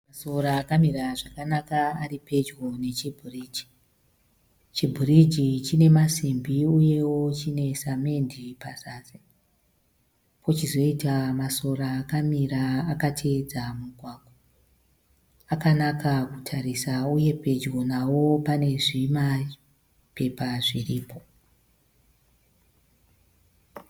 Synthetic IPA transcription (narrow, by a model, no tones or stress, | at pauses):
maso̞ɾaːkamiɾaʐakanakaaɾipe̞d͡ʒɡo̞ne̞t͡ʃibʱuriːd͡ʒi̥ | t͡ʃibʱurid͡ʒit͡ʃine̞masimbiuje̞wo̞t͡ʃine̞same̞ndʱipasaːze | pʰo̞t͡ʃizo̞itamaso̞raːkamiɾaːkatʰe̞d͡zamuɡʱwaːɡʱo | akanakakutʰarisauje̞pe̞d͡ʒɡo̞nawo̞pane̞ʐima | pe̞paʐiriːpʰo̞